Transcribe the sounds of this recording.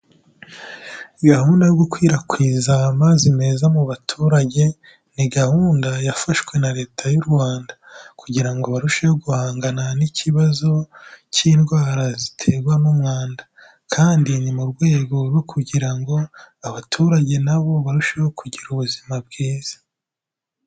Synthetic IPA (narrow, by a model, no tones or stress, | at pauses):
ɡahuːndajoɡukwiːɾakwiːzamazime̞ːzamuβatʰuːɾaɟe̞ | niɡahuːndajafaʃkwe̞naɾe̞ːtʰajuɾɡwaːndakuɟiɾaŋɡoβaɾuʃehoɡuhaːŋɡananiciβazo̞ciːnɡwaːɾazitʰe̞ɡwanumŋaːnda | kʰaːndinimuɾɡwe̞ːɡo̞ɾwo̞kʰuɟiɾaŋɡo̞aβatʰuːɾaɟe̞naβo̞βaɾuʃeho̞kuɟiɾuβuzimab̚ɡiːz̥ḁ